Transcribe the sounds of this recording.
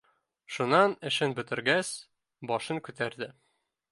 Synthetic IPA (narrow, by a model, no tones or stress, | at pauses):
ʃunɑnɘ̆ʃɘnbɵ̆t̪ɘ̆ɾɡæs | bɒʃɤŋkʉt̪æɾd̪ɘ